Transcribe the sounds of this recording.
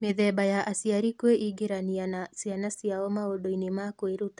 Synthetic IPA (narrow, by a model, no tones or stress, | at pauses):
meðɛbajaʔasiaɾikweʔiɡeɾanianasianasiaɔmaodɔinemakweɾutḁ